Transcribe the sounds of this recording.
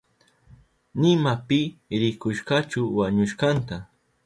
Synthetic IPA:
nɪmapɪɾɪkʊʃɢɑt͡ʃʊwaɲʊʃɢɑnt̪a

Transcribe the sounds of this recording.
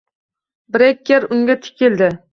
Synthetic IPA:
bɾekʲːeɾʊŋɡʲat̪ʰɪ̥kʲʰɪld̪ɪ

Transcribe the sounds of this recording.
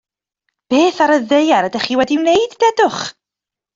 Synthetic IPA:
b̥eːθaɾəðejaɾədɛχiːwɛdiwnejdːɛdʊχ

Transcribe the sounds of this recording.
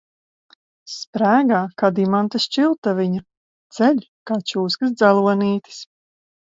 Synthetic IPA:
spɾæːɡaːkad̪imant̪ast͡ʃilˠt̪aviɲa | t̪sɛʎʲkaːt͡ʃuːskɨsd̪zalˠuɔniːt̪ʲɨ̥s

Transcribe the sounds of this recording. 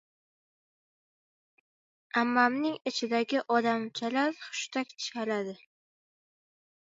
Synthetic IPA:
amːamnɪŋɪt͡ʃʰɪd̪aɡʲɪʔɒd̪amt͡ʃʰalaɾχʊ̥ʃt̪ʰakʲt͡ʃʰalad̪ɪ

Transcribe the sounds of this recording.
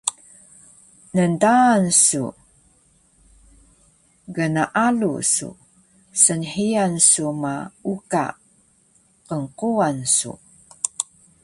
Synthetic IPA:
nəndaːnsṵ | ɡənaʔalṵsṵ | sənħijansumauka̰ | qəŋquansṵ

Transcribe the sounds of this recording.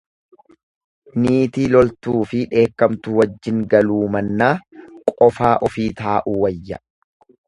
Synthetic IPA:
niːt̪iːlɔlt̪uːfɪᶑe̞ːkːɐmt̪ʊwɐd͡ʒːɪŋɡɐluːmɐnːaːkʼɔfaːʔɔfiːt̪aːʔuːwɐjːɐ̰

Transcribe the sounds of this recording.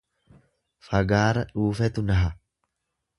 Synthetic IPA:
fɐɡaːɾɐᶑuːfɛt̪ʊnɐɦɐ

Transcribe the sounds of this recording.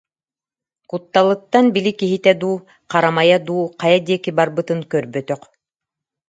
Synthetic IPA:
kut̪ːalˠɯt̪ːanbilʲikiɦit̪ɛd̪uː | qaɾamajad̪uːqajad̪iɛkibaɾbɯt̪ɯŋkœɾbœt̪œq

